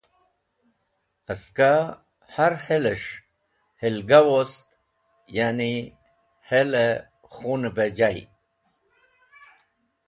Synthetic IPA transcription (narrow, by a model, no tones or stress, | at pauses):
aska | haɾheleʂ | helɡawost̪ | jani | hele | xunebed͡ʑaj̰